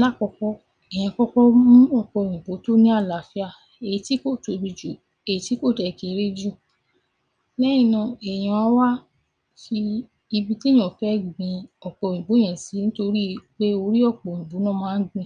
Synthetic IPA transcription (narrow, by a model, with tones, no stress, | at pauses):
la˦˨kɔ˧kɔ˦ | ɛ˨j̃ɛ̃˧kɔ˦kɔ˦mũ˦ɔ˦˨k͡pɔ˧˨ĩ˨ɡ͡bo˨˦to˦nĩ˦a˦˨la˨fi˦a˦˨ | e˨i˨˦ti˦ko˦˨to˨˧bi˧d͡ʒo˨ | e˨i˨ti˨˦ko˦˨tɛ˨ki˨˦ɾe˦d͡ʒu˦˨ | lɛ˦j̃ĩ˦˨nã˧˨ɛ˨j̃ɔ̃˧˦a˨˦wa˦ | fi˧ | i˧bi˧ti˦j̃ɔ̃˨fɛ˦ɡ͡bĩ˧ɔ˨k͡pɔ̃˧˨ĩ˨ɡ͡bõ˨˦ɛ̃˨si˨˦nĩ˦to˧ɾi˦k͡pe˦o˧ɾi˦ɔ˦˨k͡pɔ˨ĩ˨ɡ͡bo˨˦nɔ̃˦mãː˦ɡ͡bĩ˧˨